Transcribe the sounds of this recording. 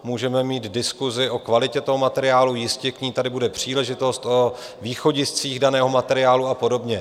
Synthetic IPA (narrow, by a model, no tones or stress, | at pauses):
muːʒɛmɛmiːt̪dɪskuzɪʔo̞kvalɪcɛt̪o̞ɦo̞mat̪ɛɾɪaːlujɪscɛkɲiːt̪adɪbudɛpr̝̥iːlɛʒɪt̪o̞st̪ʔo | viːxo̞ɟɪst͡siːɣdanɛːɦo̞mat̪ɛɾɪaːluapo̞do̞bɲɛ